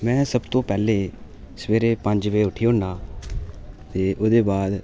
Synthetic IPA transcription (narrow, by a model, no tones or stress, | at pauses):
mɛ̃ːsəbt̪õːpɛːleː | səʋeːɾeːpəɲd͡ʒʋeːʊʈʰiːɦʊnɳdaː | t̪eːʔoːd̪eːbaːd̪